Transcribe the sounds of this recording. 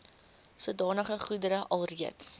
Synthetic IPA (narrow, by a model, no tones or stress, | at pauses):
suədɑːnəχəχudəɾəʔɐlˠriəts